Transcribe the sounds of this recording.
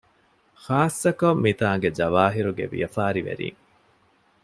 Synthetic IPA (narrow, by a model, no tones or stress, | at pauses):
xaːsːɐkɐmːit̪aːŋɡed͡ʒɐʋaːɦiɾuɡḛʋḭjɐfaːɾiʋḛɾḭːŋ